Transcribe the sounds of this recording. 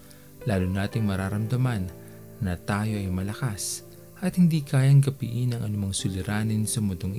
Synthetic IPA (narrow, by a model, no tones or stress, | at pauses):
laːlʊnaːt̪ɪŋmɐɾaːɾɐmd̪ɐmanː | ɐt̪aːjo̞ʔɐjmɐlɐkas | ʔɐt̪hɪnd̪iːkaːjɐŋkɐpiʔɪnɐŋʔɐnʊmɐŋsʊlɪɾaːnɪnsɐmʊt̪oŋʔ